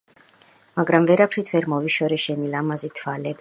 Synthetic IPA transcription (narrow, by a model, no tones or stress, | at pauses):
maɡɾamvɛɾapʰɾit̪ʰvɛɾmɔviʃɔɾɛʃɛnilamazit̪ʰvalɛb